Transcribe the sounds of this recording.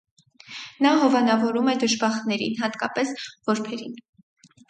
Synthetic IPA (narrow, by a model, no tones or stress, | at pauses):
nɑɦɔvɑnɑvɔɾumɛd̪əʒbɑχnɛɾḭnɦɑt̪kɑpɛsv̥ɔɾpʰɛɾin